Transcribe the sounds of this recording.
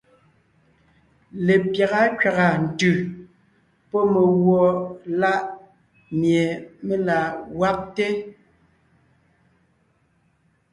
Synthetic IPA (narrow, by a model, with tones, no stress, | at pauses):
le˨pja˨ɣa˦kɥa˨ɣa˨n̩˨tʉ˨ | pɔ˦me˨ɣwɔ˨la˦ʔ | mje˨me˦la˨wa˦p̚te˦